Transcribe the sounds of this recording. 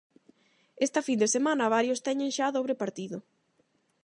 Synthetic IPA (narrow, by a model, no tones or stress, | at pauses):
est̪ɐfind̪esemãnɐβaɾjʊst̪ɛɲẽŋʃaðoβɾepaɾt̪iðʊ